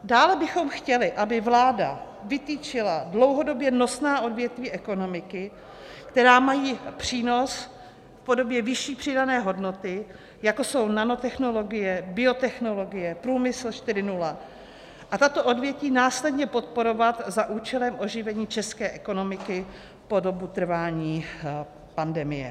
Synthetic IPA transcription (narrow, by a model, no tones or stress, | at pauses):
daːlɛbɪxo̞mxcɛlɪʔabɪvlaːda̰ | vɪt̪iːt͡ʃɪladlo̞wɦo̞do̞bjɛno̞snaːʔo̞dvjɛt̪viːʔɛko̞no̞mɪkɪ | kt̪ɛɾaːmajiːpr̥iːno̞s | fpo̞do̞bjɛvɪʃiːpr̝̥ɪdanɛːɦo̞dno̞t̪ɪ | jako̞so̞wnano̞t̪ɛxno̞lo̞ɡɪjɛbɪo̞t̪ɛxno̞lo̞ɡɪjɛpɾuːmɪsl̩ʃt̪ɪɾɪnula | ʔat̪at̪o̞ʔodvjɛciːnaːslɛdɲɛpo̞t̪̚po̞ɾo̞vat̪zaʔuːt͡ʃɛlɛmʔo̞ʒɪvɛɲiːt͡ʃɛskɛːʔɛko̞no̞mɪkɪ | po̞do̞but̪r̩vaːɲiː | pandɛmɪjɛ̰